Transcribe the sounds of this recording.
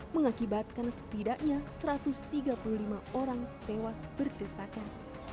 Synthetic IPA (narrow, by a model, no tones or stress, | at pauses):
məŋakibat̪̚kansə̥t̪idaʔɲasəɾat̪ʊst̪iɡapululimaoɾaŋt̪ewasbərdəsaka